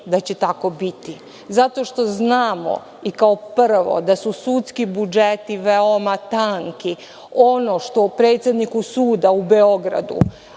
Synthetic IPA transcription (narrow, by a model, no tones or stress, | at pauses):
d̪at͡ɕet̪ako̞bit̪i | zat̪o̞ʃt̪o̞znaːmo̰ | ikaopr̩ʋo̰d̪asusut̪skibud͡ʒet̪iʋeomat̪aŋki | o̞no̞ʃt̪o̞pɾe̞ːt̪sʲjed̪nikusuːd̪aubeo̞ɡɾa̰d̪ṵ